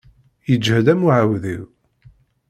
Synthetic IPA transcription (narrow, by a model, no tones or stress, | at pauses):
jəd͡ʒːhəðæmuʕəwðḭw